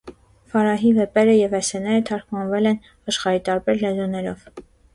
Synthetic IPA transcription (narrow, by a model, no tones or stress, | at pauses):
fɑɾɑɦivɛpɛɾəjɛvɛsɛnɛɾət̪ʰɑɾkʰmɑnvɛlɛn | ɑʃχɑɾit̪ɑɾbɛɾlɛzunɛɾɔv̥